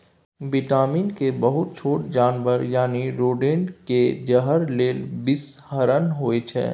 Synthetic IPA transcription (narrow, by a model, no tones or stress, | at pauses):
bɪʈaːmiːnkebɐɦʊt̪̚t͡ʃʰoːʈd͡ʒaːnʋəɾjaːniɾoːɖeːɳɖked͡ʒəɦəɾleːlbɪs | həɾənɦoet͡ʃʰɛ̰ː